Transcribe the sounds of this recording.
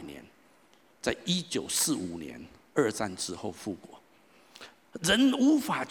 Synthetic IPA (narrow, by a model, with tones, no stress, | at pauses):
njɛ̰˧˦n | t͡sa˥˩ɪi˦˥t͡ɕjo˨˩ʊsɹ̩˥˩u˨˩njɛ̰˧˦n | ə˞˥˧t͡sa̰˥˧nʈ͡ʂɻ̩˧xo˥˧ʊfu˥˩kwɔ˨˩˦ | ɻə˧˦nu˧˥fa˨˩t͡ɕ